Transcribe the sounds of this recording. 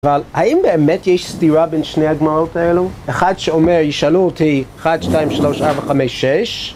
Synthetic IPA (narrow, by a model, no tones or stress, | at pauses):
avalhaʔimbeːmɛtjeʃstiɾabenʃnejhaɡmaʁotaelueχadʃeomeɹjiʃaluotʰieχadʃtajimʃaloʃaɹvaχameʃːɛʃ